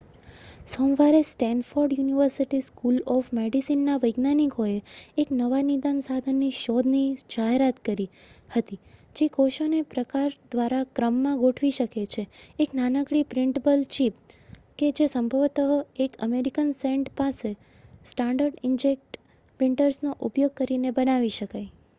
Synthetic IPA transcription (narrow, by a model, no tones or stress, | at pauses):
somʋaɾesʈɛnfoɾɖjuniʋəɾsiʈiskulɔfmeɖisinːaʋəjɡnanikoeeknəʋanid̪ansad̪ʱənːiʃɔd̪nid͡ʒaɦeɾat̪kəɾihət̪id͡ʒekoʃonepɾəkaɾd̪ʋaɾakɾəmːãɡoʈʰʋiʃəket͡ʃʰeːknanəkɽipɾɪɳʈəbəlt͡ʃipked͡ʒesəmbʱəʋt̪əɦoekə̰meɾikənsẽɳʈpase | sʈãɳɖəɾɖɪnd͡ʒek̚ʈ | pɾɪɳʈəɾsnoʔupjoɡ̚kəɾinebənaʋiʃəkaj